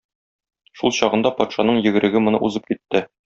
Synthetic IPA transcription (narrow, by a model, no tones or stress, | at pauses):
ʃulˠɕɒʁɤ̆nd̪ɑpɒt̪ʃɑnɤɴjɘ̆ɡɘ̆ɾʔɘ̆ɡɘmŏnɤ̰ʔuzɤp̚kit̪ːɘ